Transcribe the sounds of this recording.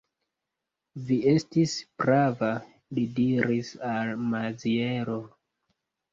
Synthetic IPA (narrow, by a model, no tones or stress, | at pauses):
vie̞stispɾava | lidiɾisalmazieɾo